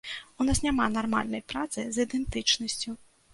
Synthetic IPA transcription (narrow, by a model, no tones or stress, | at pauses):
unasnʲamanarma̰lʲnɐjpɾat̪sɨzid̪ɛnt̪ɨt͡ʂnɐsʲt͡sʲu